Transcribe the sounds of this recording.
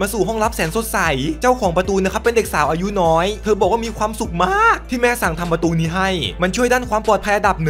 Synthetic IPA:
maː˧suː˨˩ɦɔ˥˩ŋɾa˦˥p̚sɛː˩˦nso˨˩t̪̚sa˨˩˦jt͡ɕa˥˩wkʰɔː˩˦ŋpɾa˧t̪uː˧na˧˦˥kʰpːe˧nde˨˩k̚saː˩˦wʔaː˧ju˦˥nɔː˦˥jt̪ʰɤː˧bɔː˨˩k̚waː˥˩miː˧kʰwaː˧msu˨˩k̚maː˥˩˥k̚t̪ʰiː˥˩mɛː˦˥sa˨˩ŋt̪ʰa˧mpɾa˧t̪uː˧niː˦˥ɦa˥˩jma˧nt͡ɕʰu˥˩əjdaː˥˩nkʰwaː˧mpɔː˨˩t̪̚pʰa˧jʔa˧da˨˩p̚n˨˩

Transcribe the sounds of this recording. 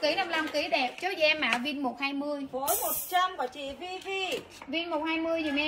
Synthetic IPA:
ki˧˩˦na˧mla˧mki˧˩˦ɗɛ˨˩p̚t͡ɕo˨˦zʔɛ˧mːa̰ː˧˩vi˧nmo˨˩t̚haː˧jmɨ˧əjvə˨˦jmo˨˩t̚t͡ɕa˧mvaː˨˩t͡ɕḭ˧˨vi˧vi˧ | vi˧nmo˨˩t̚haː˧jmɨ˧əjzi˨˩mɛ˧

